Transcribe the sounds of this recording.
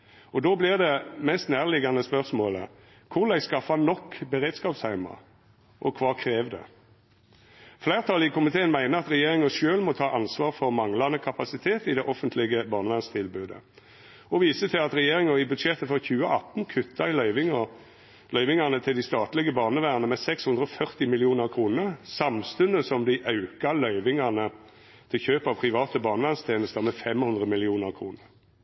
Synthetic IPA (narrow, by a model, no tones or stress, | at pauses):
ɔd̪oːblɪʁd̪ɛmɛst̪næːʁlɪɡɑnəspœʁsmoːlə̰ | kʰʊʁlæɪskɑfɑnɔkːbəɾeːd̪skɑːpshæɪmɑ̰ | ʔɔkʰʋɑːkʰɾeːʋd̪ɛ̰ | flæɪʁt̪ʰɑlɪkʰʊmɪt̪ʰeːənmæɪnəɑt̪ʁɛjeːɾɪŋəʃøːlmɔt̪ʰɑːʔɑnsʋɑːʁfɔʁmɑŋlɑnəkʰɑpɑsɪt̪ʰeːt̪ɪd̪ɛʔɔfənt̪lɪɡəbɑːʁnəʋænst̪ʰɪlbʉːd̪ə̰ | ɔʋiːsət̪ʰɪlɑt̪ɾɛjeːɾɪŋəɪbʉd̪ʂɛt̪ːəfɔʁçʉːəʔɑt̪n̩kʰʉt̪ʰːɑɪlœʏʋɪŋə | lœʏʋɪŋɑnət̪ʰɪld̪ɪst̪ɑːt̪lɪɡəbɑːʁnəʋæːʁnəmɛsɛkshʉnd̪ɾəɔfœʁt̪ɪmɪlɪuːnəʁkʰɾuːnəʁsɑmst̪ʉnd̪əsɔmd̪ɪʔɑʉkɑlœʏʋɪŋɑnə | t̪ʰɪlçøːpɑʋpʰʁɪʋɑːt̪əbɑːnəʋæʁnst̪ʰeːnəst̪əʁmɛfɛmhʉnd̪ʁəmɪlɪuːnəʁkʰɾuːnəʁ